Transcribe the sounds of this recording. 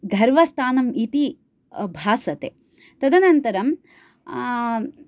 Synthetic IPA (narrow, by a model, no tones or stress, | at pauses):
ɡʱɐɾʋɐst̪ʰaːnɐmit̪i | bʱaːsɐt̪ḛː | t̪ɐd̪ɐnɐnt̪ɐɾɐm